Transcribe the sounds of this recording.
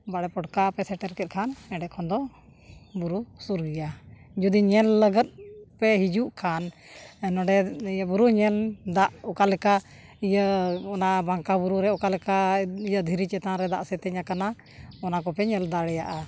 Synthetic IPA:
baɽɛpɔʈkapɛsɛʈɛɾkɛt̪̚kʰanɛɖɛʔkʰɔnd̪ɔ | buɾusuɾɡija | d͡ʒud̪iɲɛlləɡət̪̚pɛɦid͡ʒuʔkʰan | ɛnɔ̃ɖɛijəbuɾuɲɛld̪aʔɔkalɛka | ijəɔnabaŋkabuɾuɾɛɔkalɛkaijəd̪ʱiɾit͡ʃɛt̪ãɾɛd̪a̰ʔsɛt̪ɛɲakana | ɔnakɔpɛɲɛld̪aɽɛja̰ʔa

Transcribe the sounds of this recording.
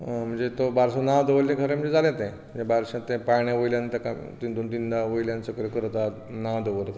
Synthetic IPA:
m̤əɳd͡zet̪obaɾsãnad̪əʋəlːẽkʰəɾẽm̤əɳd͡zed͡zalẽt̪ẽ̤əɳd͡zebaɾɕãt̪ẽpaɳjaʋəjljãnt̪aka | t̪ind̪ont̪ind̪aʋojljãnt͡səkəɾekəɾt̪at̪ | nad̪əʋəɾt̪a

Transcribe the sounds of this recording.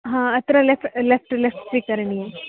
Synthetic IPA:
ɦãːɐt̪ɾɐlefʈlefʈlefʈsʋikɐɾɐɳije

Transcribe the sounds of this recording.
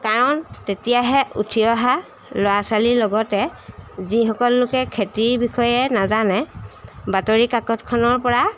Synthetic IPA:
kaɹɔntetijaɦɛʔutʰiɔɦa | lɔasalilɔɡɔtɛzixɔkɔlːʊkɛkʰetiɹbixɔjɛnazanɛbatoɹikakɔtkʰɔnɔɹpɔɹa

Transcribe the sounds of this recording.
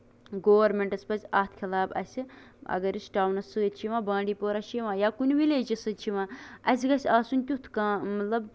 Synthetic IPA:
ɡoːʋɐɾmeɳʈɐspɐt͡sʲaːt̪ʰkʰʲilaːbɐ̰sʲiɐ̰ɡɐɾisʈaːwnɐsɨt͡ʃʰiʋãːbãːɳɖiːpoːɾɐʃiʋãːjaːkunʲʋileːd͡ʒɐsɨt͡ʃʰiʋãːɐsʲɡɐsʲaːsunʲt̪ʲut̪ʰkãːmɐt̪lɐb

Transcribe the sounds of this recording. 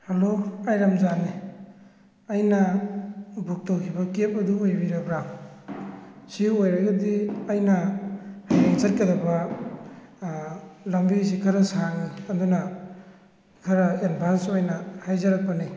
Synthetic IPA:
haloajɾamzani | ɐjnɐ | buk̚towkʰibɐkep̚ɐduojbiɾɐbɾaŋ | siojɾɐɡɐdiɐjnɐhajeŋsɐt̚kadɐbɐ | lɐmbisikʰɐɾɐsaŋiɐndunɐ | kʰɐɾɐenbʰʱansojnɐhajzɐɾak̚pani

